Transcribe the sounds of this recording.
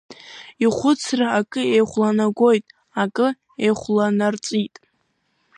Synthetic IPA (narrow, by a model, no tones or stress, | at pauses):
iχʷʊt͡sʰraːkʼɨejχʷlanaɡʷo̞jtʼ | akʼɨ | ejχʷlanart͡sʼitʼ